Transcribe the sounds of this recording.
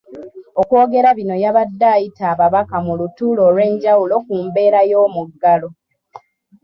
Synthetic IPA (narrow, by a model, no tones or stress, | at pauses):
o̞ko̞ːɡe̞ɾaβino̞jaβadːaːjitaːβaβakamulutulo̞ːlwe̞ːɲɟawulo̞kuːmbe̞ːɾajo̞ːmuɡːalo̞